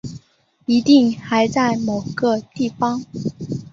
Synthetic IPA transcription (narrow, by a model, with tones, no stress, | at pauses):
i˧˥t̪i˥˧ŋxa˧˥ɪt͡sa˥˩ɪmo˨˩ʊɡ̥ə˧t̪i˥˩fɑ˥ŋ